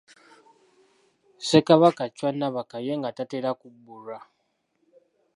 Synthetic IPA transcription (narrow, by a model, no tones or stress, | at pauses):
sekaβakat͡ʃwanːaβakajeŋɡatateɾakubːulwa